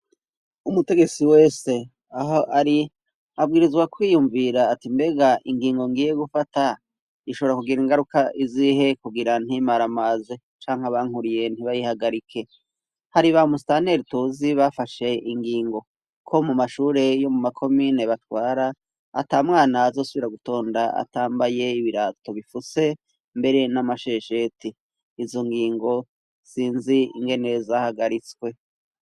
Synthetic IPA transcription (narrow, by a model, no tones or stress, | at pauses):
umute̞ɡe̞t͡siwe̞ːse̞ | aɦoaɾi | abɡiːɾizɡwakwiːjuɱviɾaːtimbe̞ɡaʔiŋɡiːŋɡo̞ŋɡiːje̞ɡufata | iʃoβoɾakuɡiɾiŋɡaɾukaʔiziɦe̞kuɡiɾan̥himaɾamaːze | t͡ʃaːŋ̥haβaŋ̥huɾije̞niβajihaɡaɾikʰe̞ | haɾiβamustane̞ɾituziβafaʃe̞iŋɡiːŋɡo̞ | kʰo̞mumaʃuːɾe̞jo̞mumakʰo̞miːneβatwaːɾaː | tamŋaːnaːzo̞ːsuβiɾaɡuto̞ːndaa̰taːmbaje̞iβiɾato̞βifuse̞ | mbe̞ɾe̞namaʃe̞ʃe̞tiː | zo̞ŋɡiːŋɡo̞ | siːnziiŋɡe̞ne̞zahaɡaɾit͡swe̞